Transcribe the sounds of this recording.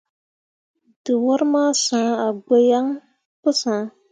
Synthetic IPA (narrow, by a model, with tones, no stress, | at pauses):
dɨ˨wɔ˦ɾmaː˦sãː˨˦a˨ɡ͡be˦ja˦ŋ | pɨ˦sã˨˦